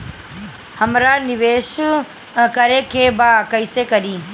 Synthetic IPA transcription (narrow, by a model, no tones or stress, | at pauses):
hɐmɾanɪʋeːʃ | kɐɾekʰeːbaːkɐisekɐɾiː